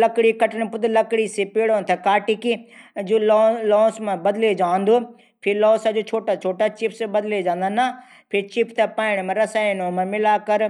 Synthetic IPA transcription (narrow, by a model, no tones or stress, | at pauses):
lɐkɽikɐʈənpʊd̪lɐkɽisepeːɽoːnt̪ʰekaːʈiːkid͡ʒulɔːlɔ̃ːsmãbɐd̪led͡ʒaːnd̪oː | pʰɪɾlɔːsad͡ʒoːt͡ʃʰoːʈat͡ʃʰoːʈat͡ʃipʰsebɐd̪led͡ʒãːnd̪aːna | pʰɪɾt͡ʃipʰt̪epaːɪɽ̃mẽɾɐsaːinomãmɪlaːkɐɾ